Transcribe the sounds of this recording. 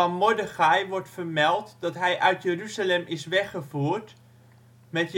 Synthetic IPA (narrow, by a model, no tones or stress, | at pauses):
ɔnmodəχajʋɔɹtfərmɛlˠtdɔtɦɛjʔœɥtjərysəlɛmɪsʋɛχəfuːərt | mɛt